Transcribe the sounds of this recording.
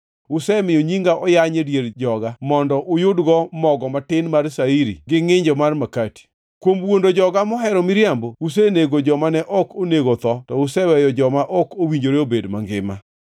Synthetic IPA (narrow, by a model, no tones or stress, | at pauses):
ʊsɛmɪjoɲiŋɡaʔɔjaɲedjerd͡ʒɔɡamɔndɔʔʊjʊdɡɔmɔɡɔmatɪnmarsaiɾḭɡɪŋɪɲd͡ʒɔmarmakati̥ | kwomwondod͡ʒɔɡamɔɦɛɾɔmɪɾjambous̬eneɡod͡ʒɔmanɛʔɔkoneɡot̪ɔtɔʊsɛwɛjɔd͡ʒɔmaʔɔkowiɲd͡ʒoɾeobedmaŋɡɪma̰